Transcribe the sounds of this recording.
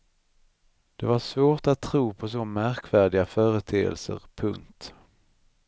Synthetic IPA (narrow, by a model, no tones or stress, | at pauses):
d̪̥ɛvaʂvoːʈat̪ʰːɾuːpʰɔs̬ɔmæɾkvæːɖɪɡafœːɾət̪ʰeːə̰lsə̰ɾpʰɵŋt̪